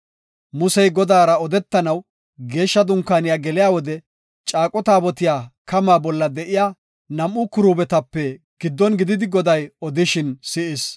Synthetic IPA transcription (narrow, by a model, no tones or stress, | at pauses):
mʊsɛjɡɔd̪aːɾɐɔd̪ɛt̪ːɐnɐw | ɡe̞ːʃːɐd̪ʊŋkːaːnɪjaːɡɛlɪjaːwɔd̪ɛ | t͡ʃʼaːkʼɔt̪aːbɔt̪ɪjaːkɐmaːbɔlːɐd̪ɛʔɪjaː | nɐmʔʊkʊɾuːbɛt̪ɐpːɛ | ɡ̥ɪd̪ːɔnɡɪd̪ɪd̪ɪɡɔd̪ɐjɔd̪ɪʃɪnsɪʔɪs